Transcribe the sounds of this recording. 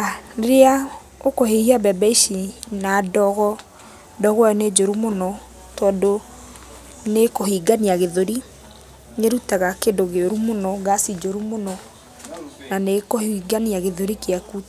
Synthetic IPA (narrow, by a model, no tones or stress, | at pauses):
aeɾea | okohehiabɛbɛiʃinadɔɣɔ | dɔɣwaɔned͡ʒoɾumonɔ | tɔːndo | nekohiɡaniaɣeðoɾi | neɾutaɣakendoɣeoɾumonɔɡasid͡ʒoɾumonɔ | nanekohiɡaniaɣeðoɾikeakut